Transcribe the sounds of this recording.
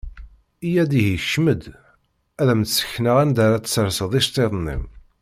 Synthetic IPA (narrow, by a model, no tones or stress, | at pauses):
ijæd̪ihiçʃməd̪ | æðæmt̪sə̥çnəʁænd̪aɾat̪səɾsəðˤiʃt̪ˤeðˤnːḭm